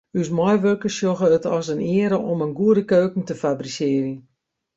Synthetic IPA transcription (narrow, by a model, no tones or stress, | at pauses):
ysmɔjʋørkəsjoɣəətɔsənɪəɾəʔomənɡuədəkøːkŋ̩təfabrisɪərə